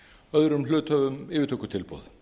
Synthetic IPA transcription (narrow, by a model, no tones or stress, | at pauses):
œðɾʏml̥ʏːt̪hœːvʏmɪːvɪɾt̪ʰoːkːʏ̥t̪ʰɪlpɔ̰ːð